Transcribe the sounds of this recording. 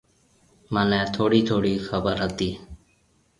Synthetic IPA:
mənɛ̃ːt̪ʰoːɽiːt̪ʰoːɽiːxəbəɾɦət̪iː

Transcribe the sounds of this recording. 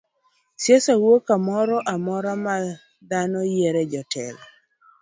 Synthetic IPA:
sjesawokamɔɾɔʔamɔɾama | d̪anɔjeɾɛd͡ʒɔtʰɛ̰l

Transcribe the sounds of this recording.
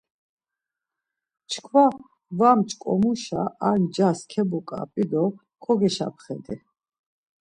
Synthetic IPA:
t͡ʃʰkʰwa | vamt͡ʃʼkʼɔ̰muʃaand͡ʒaskʰɛbɔkʼa̰pʼid̪ɔ | kʰɔɡɛʃa̰p̚ʰχɛ̰d̪ɛ

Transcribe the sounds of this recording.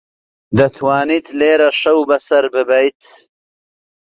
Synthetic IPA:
d̪ɐt̪ʰwaːnit̪ʰleːɾɐʃɐwbɐsɐɾbɨbɐjt̪ʰ

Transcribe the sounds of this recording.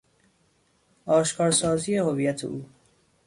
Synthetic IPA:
ɒːʃkʰɒːɾsɒːziːehovijæt̪ʰḛʔuː

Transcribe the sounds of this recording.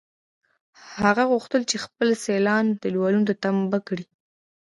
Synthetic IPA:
haɣaɣuxt̪əlt͡ʃexpəlselɑnd̪̥əlwɑlunod̪ət̪ambakɽi

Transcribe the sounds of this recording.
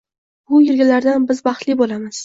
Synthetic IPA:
bʊjɪɾɡʲalaɾd̪anbɪzbɑχt̪lɪbolamɪz̥

